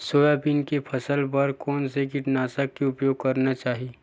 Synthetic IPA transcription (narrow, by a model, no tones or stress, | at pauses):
soːjapinkepʰɐsəlpɐɾkɔːnsekɪʈnaːsakːeʊpjoːɡ̚kɐɾnat͡ʃaːɦie